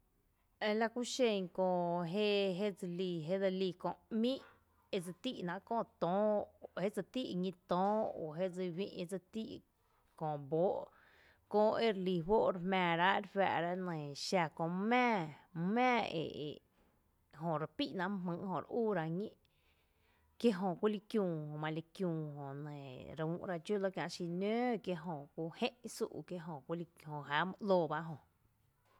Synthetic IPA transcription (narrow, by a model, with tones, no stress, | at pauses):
e˧la˧ku˦ʃẽ˧˨ŋkõ˧ɦe˦ʔɦe˦d͡zɨ˧liː˧˨ɦe˦d̪a˧liː˧˨kõ˧˨ʔmĩ˦ʔ | e˧d͡zɨ˧t̪i˦ʔnã˧ʔkõ˦˧˨t̪õː˦˨he˦ʔd͡zɨ˧t̪i˦ʔŋĩ˧t̪ɔ̃ː˦o˨ɦe˦d͡zɨ˧wḭ̃˦ʔe˧d͡zɨ˧t̪ḭ˦ʔ | kõ˧˨ʔbo˦ʔ | kõː˧ʔʔe˦ɾli˧˨wo˦ʔɾmɛ̃ː˨ɾa˦ʔe˦ɾɸa̰˧ʔɾa˦nə̃˨ʃa˧˨kõ˧˨mɛ̃ː˦˧mɛ̃ː˦˨ḛ˨ʔḛ˨ | ɦõ˨ɾe˧˨pi˦ʔnã˧˨˦mɨ̃˧ʔhõ˧˨ɾʔuː˦˨ɾa˧ɲĩ˦ʔ | kje˦ʔɦõ˨kʷu˦li˧kjũː˧˨hõ˨mã˧li˧kjũː˧hõ˨ʔnə̃˨ɾũ˨˦ʔɾa˧t͡ʃu˦lo˦kjã˧ʔʃi˧nø̃ː˦kje˦ʔɦõ˧˨kʷu˧˦hẽ˦ʔsṵ˧ʔkje˦ʔɦõ˨kʷi˦li˧hõ˨ɦa˨˦m˧ʔloː˧˨ba˦ʔɦõ˧˨